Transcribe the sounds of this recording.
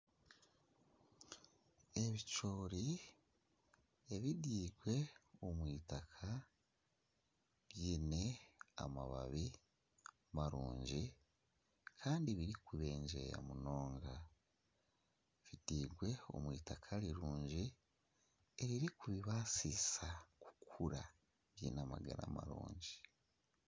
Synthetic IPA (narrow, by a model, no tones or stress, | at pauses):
e̞βit͡ʃo̞ːɾi | eβidiːɡwe̞omwiːtakʰa | βjiːne̞a̰ma̰βa̰βi | maɾṵːɲɟi | kʰaːndiβiɾikuβe̞ːɲd͡ʒe̞̰ja̰muno̞ːŋɡa | βid̥iːɡwe̞o̞̰mwiːtakʰaɾiɾuːɲɟi | eɾiɾikuβiβasisaku̥kuɾa | βjḭːnama̰ɡa̰ɾa̰ma̰ɾṵːɲɟi